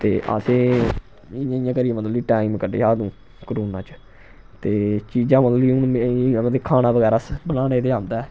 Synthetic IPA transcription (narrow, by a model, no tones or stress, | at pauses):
t̪ḛːʔə̰seː | ɪjãːɪjãːkəɾijãmənd̪əlːiːʈaːimkəɖḛːɦaːd̪ũː | kəɾoːnãːt͡ʃ | t̪eːt͡ʃiːd͡ʒãːməd̪liʊnãːd̪ekʰaːnaːbəɡɛːɾaːsbənaːneːt̪eːaːnd̪aɛː